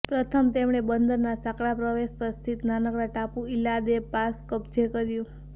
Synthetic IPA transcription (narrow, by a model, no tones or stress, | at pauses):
pɾət̪ʰəmt̪emɽ̃ebənd̪əɾnasakɭapɾəʋespəɾst̪ʰit̪nanəkɽaʈapũilad̪epaskəpd͡ʒekəɾjũ